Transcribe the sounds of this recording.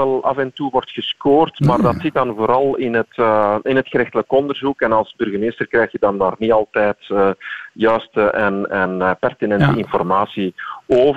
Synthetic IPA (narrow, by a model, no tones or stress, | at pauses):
ɛlˠɑ̰vɛntuʋɔrtxəskoːrtmaːrdɑtsɪt̚dɑnvoːɾɑlˠɪnɦətɪnɦətxəɾɪxtələkɔndərzukɛnɑlˠzbʏrɣəmeːstərkrɛːxtjədɑndaːrniɑlˠtɛːtəjœːstəʔɛnɛnpɛrtinɛntəɪnfɔrmaːsioːv